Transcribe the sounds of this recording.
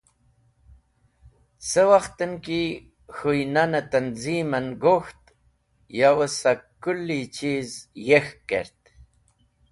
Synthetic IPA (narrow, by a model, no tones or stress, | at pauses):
səwaxt̪ənki | hujnanət̪anzimənɡoxt̪ | jawəsakulːit͡ʃizjexkḛɾt̪